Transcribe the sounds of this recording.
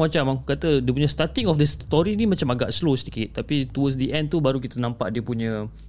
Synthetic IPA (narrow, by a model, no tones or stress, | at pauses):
at͡ʃamaŋkat̪ədiəpuɲə̃st̪at̪iŋɔfdəst̪ɔɾinĩmãt͡ʃamaɡa̰ʔslosətikɪt̪̚ːapit̪uwəsdəʔɛ̃nt̪ubaɾukit̪ənãmpa̰ʔdiəpuɲə̃